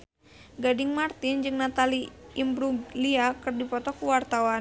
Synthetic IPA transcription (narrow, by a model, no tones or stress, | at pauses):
ɡadɪŋmart̪ɪnd͡ʒɨŋnat̪aliimbɾuliakɨrdipɔt̪ɔkuwart̪awa